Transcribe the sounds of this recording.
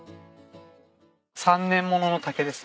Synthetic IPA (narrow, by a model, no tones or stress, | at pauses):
sãnːẽ̞mːo̞no̞no̞t̪ake̞d̪e̞sɨ̥